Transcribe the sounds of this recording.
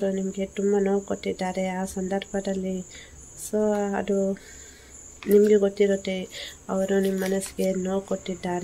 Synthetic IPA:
ɾunimɐɡe̞t̪umbɐnoːwkoʈːid̪ːaːɾe̞aːsɐnd̪ɐɾbʱɐd̪ɐlːi | soːɐ̰d̪u | nimɐɡe̞ɡot̪ːiɾoːt̪ːeɐʋɐɾunimɐːɐnɐsi̥ɡe̞no̞ːkoʈːid̪ːaːɾe

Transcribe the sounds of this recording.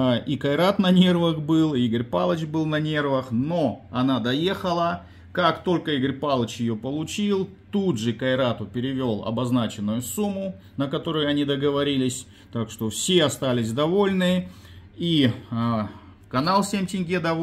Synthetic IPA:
ʔikɐɪɾat̪nɐnʲe̞rvəxbɨlˠiɡəɾʲpalˠət͡ɕbɨlˠnɐnʲe̞rvəxno̞ɐnad̪ɐje̞xəlˠə | kakt̪o̞lʲkəiɡəɾʲpalˠət͡ɕjɪjopəlˠʊt͡ɕilˠt̪udʐɨkɐɪɾat̪ʊpʲɪɾʲɪvʲo̞lˠɐ̰bɐznat͡ɕɪnːʊjʊsumːʊ | nəkɐt̪o̞ɾʊjʊɐnʲid̪əɡəvɐɾʲilʲɪsʲ | t̪akʂt̪o̞fsʲe̞ɐst̪alʲɪsʲd̪ɐvo̞lʲnɨ | i | kɐnalˠsʲemʲtʲɪnʲɡʲed̪ɐ

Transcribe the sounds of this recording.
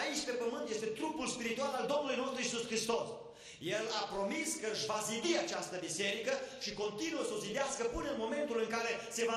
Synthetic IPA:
it͡ʃpe̞pəmɨnt̪je̞st̪e̞t̪ɾupulspiɾit̪ualald̪o̞mnulujno̞st̪ɾuisuskɾist̪o̞s | je̞lapɾo̞miskəɨʃvazib̪iat͡ʃast̪əbise̞ɾikəʃiko̞nt̪inuəsəo̞zid̪easkəpɨnənmo̞me̞nt̪ulɨŋkaɾe̞se̞va

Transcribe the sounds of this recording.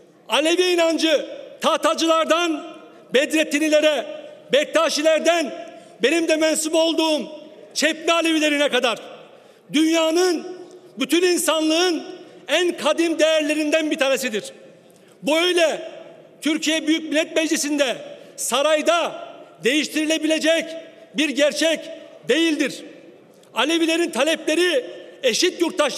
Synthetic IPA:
alʲe̞biinand͡ʒɯt̪ʰaːt̪ʰad͡ʒɯlˠaɾd̪an | bɛd̪ɾɛt̪ʰːinilʲeɾɛbɛk̚t̪ʰaːʃilʲæɾd̪æn | be̞nimd̪ɛmɛnsubo̞lˠd̪uːm | t͡ʃʰɛpmɛalʲeβilʲe̞ɾinɛkad̪aɾ | d̪ynjaːnɯnbyt̪ʰyninsanlˠɯɯnænkʰad̪imd̪ejæɾlʲe̞ɾind̪ænbit̪ʰaːnesid̪iɾ̥ | buø̞jlʲɛ | t̪ʰyɾcʰijɛbyjyc̚milʲːɛt̪mɛd͡ʒlisind̪ɛsaɾajd̪ad̪e̞jiʃt̪ʰiɾilʲe̞bilʲe̞d͡ʒɛcbiɾɟæɾt͡ʃʰɛcd̪e̞jilʲd̪iɾ̥ | alʲevilʲe̞ɾint̪ʰalʲɛplʲe̞ɾie̞ʃit̪juɾt̪ʰaʃ

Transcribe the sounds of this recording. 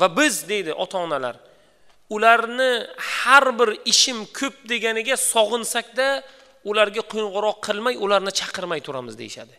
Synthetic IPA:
vabɪzd̪e̞jd̪ɪʔɒt̪ʰaːnala̰ɾ | ʊlaɾnɪhaɾbɪɾɪʃɪmkʰɵp̚d̪e̞ɡʲanɪɡʲasɒʁɨnsakʲd̪a | ʊlaɾɡʲaqʰojɴʁʊɾɒqʰːɨlˠmajʊlaɾnɪt͡ʃʰɑqʰɨɾmajt̪ʰʊɾamɪzd̪ejɪʃa̰d̪ɪ

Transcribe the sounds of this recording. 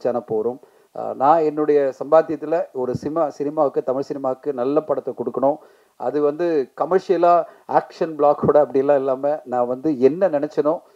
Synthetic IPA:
t͡ʃːaːnɐpoːɾʊ̃m | nãːɛnːɯɽɐjɐsɐmbaːt̪ɪjɐt̪ːɪlɐɔɾɯsɪmaːsɪnɪmaːɯkːɯt̪ɐmɪɻsɪnɪmaːɯkːɯnɐlːɐpːɐɽɐt̪ːɐkɔɽɯkːɐɳʊ̃ː | ʔɐ̰ðɯʋɐnd̪ɯkɐmɐɾʂɪjɐlaːaːkʂɐnbɭaːkːuːɽɐːpːɐɽɪjɛlːãːɪlːaːmɐnãːʋɐnd̪ɯɛnːɐnɪnɛt͡ʃːɐnʊ̃ː

